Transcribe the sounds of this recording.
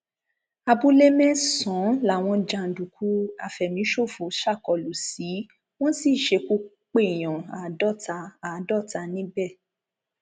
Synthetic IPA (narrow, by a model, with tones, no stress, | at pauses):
a˧bu˦le˦mɛ̃˦sɔ̃˨˦la˨w̃ɔ̃˧d͡ʒã˧n̩˨du˨kʰu˨˦a̰˧˨fɛ˨mĩ˨˦ʃo˦˨fo˨˦ʃa˦˨kɔ˨lu˨si˨˦ | w̃ɔ̃˦si˦˨ʃe˧˦ku˧ | k͡pe˦˨j̃ã˨a˨˦dɔ˦˨ta˧a˨˦dɔ˦˨ta˧nĩ˦bɛ˦˨